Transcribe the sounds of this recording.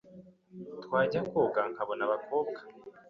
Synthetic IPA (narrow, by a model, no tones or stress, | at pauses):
twaːɟakoːɡaŋkaβonaβakoːb̚ɡḁ